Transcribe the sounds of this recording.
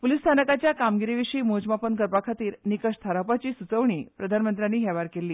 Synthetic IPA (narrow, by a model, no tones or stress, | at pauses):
pulist̪ʰanəkat͡ɕjakamɡiɾiʋiɕiːmod͡ʑmapənkəɾpakʰat̪iːɾnikəʂt̪ʰaɾapat͡ɕiːsut͡səʋɳiːpɾəd̪ʱanmənt̪ɾjanːiːɦɛʋaɾkelːiː